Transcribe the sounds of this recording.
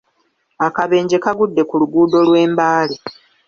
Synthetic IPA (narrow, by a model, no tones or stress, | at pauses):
akaβe̞ːɲɟe̞kaɡudːe̞kuluɡuːdo̞lwe̞ːmbaːli